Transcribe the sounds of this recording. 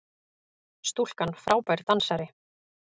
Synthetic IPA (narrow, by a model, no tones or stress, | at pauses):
st̪ul̥kanfɾʔaːwpajɾ̥t̪ansaɾɪ